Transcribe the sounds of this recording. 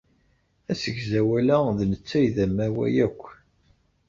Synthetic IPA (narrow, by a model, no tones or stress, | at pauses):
æsəʝzæwælæðnət͡sːæjðæmːæwæ̰jækʷː